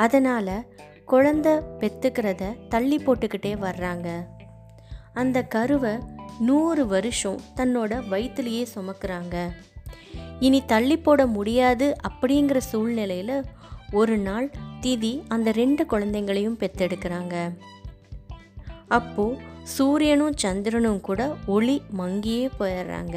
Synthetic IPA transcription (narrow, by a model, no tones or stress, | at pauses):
ɐðɐnaːlɐ | kɔɻɐnd̪ɐpɛt̪ːɯkːɪɾɐðɐt̪ɐɭːɪpːoːʈːɯkːɪʈːeːʋɐɾːaːŋɡɐ | ɐnd̪ɐkɐɾɯʋɐnuːɾɯʋɐɾɯʂɔ̃t̪ɐnːoːɽɐʋɐɪt̪ːɯlɐjeːsʊmɐkːɪɾaːŋɡɐ | ɪnit̪ɐɭːɪpːoːɽɐmʊɽɪjaːðɯʔɐpːɐɽɪjɪŋɡɪɾɐsuːɭnɪlɐjɪlɐ | ɔɾɯnaːɭt̪ɪðiɐnd̪ɐɾɛɳɖɯkɔɻɐnd̪ɐŋɡɐɭɐjɯmpɛt̪ːɛɽɯkːɪɾaːŋɡɐ | ɐpːoːsuːɾɪjɐnɯ̃t͡ʃɐnd̪ɪɾɐnɯmkuːɽɐɔɭimɐŋɡɪjeːpoːjɐɾɾa̰ːŋɡɐ